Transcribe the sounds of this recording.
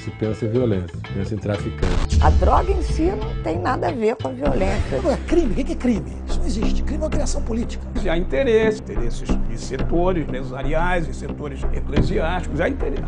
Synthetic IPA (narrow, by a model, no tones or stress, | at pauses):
sɪpẽsɐẽviolẽsɐpẽsɐẽt̪ɾafikɐ̰̃t͡ʃɪt͡ʃɐd̪ɾɔɡɐẽsinɐ̃w̃t̪ẽj̃nad̪ɐaveɾkõɐviolẽsɐoakɾĩmɪkekɪɛkɾĩmɪisʊnɐ̃w̃eziʃt͡ʃɪkɾimɪɛ̃mɐkɾiasɐ̃w̃polit͡ʃi̥kɐzɪaĩnt̪eɾesɪ̃t̪eɾesɪzɪset̪oɾɪsrezzaɾiajzɪset̪oɾɪzḛkleziaʃt͡ʃi̥kʊzaĩt̪eɾe